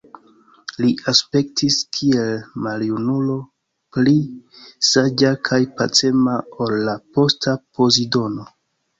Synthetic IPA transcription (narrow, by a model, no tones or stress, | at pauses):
liʔaspe̞ktiskʰie̞lmaljunulo̞ | plisad͡ʒakʰajpa̰t͡se̞mao̞lːapo̞stapo̞zido̞no̞